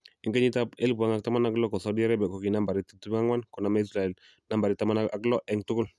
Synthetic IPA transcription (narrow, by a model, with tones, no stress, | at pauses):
ɪ˨ŋɡɛ˦ɲi˦ta˦pe˦lbu˨a˦ŋa˦k̚ta˦ma˦na˦klɔ˦kɔ˨sa˨u˦di˦a˦ɾa˦bɛ˨kɔ˨ki˨na˦mba˨ɾi˦ti˦tu˦ŋa˦ŋwa˦nkɔ˨na˨ma˦i˦sɾa˨ɛ˨l | na˦mba˨ɾɪ˦ta˦ma˦naa˦klɔ˦ʔɛ˨ŋtʊ˦kʊ˦l